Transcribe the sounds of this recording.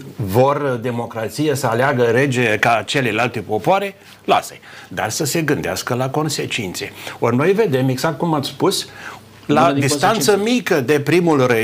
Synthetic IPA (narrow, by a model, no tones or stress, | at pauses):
vord̪e̞mo̞kɾat̪sijesəaleaɡəɾe̞d͡ʒekat͡ʃe̞lelalt̪epo̞poaɾe | la̰sə̰jd̪a̰rsəse̞ɡɨnd̪ea̰skəlako̞nse̞t͡ʃint̪se̞orno̞jve̞d̪e̞me̞ɡzak̚t̪̚kumat̪sʲspus | lad̪isst̪ant̪səmikəd̪e̞pɾimulre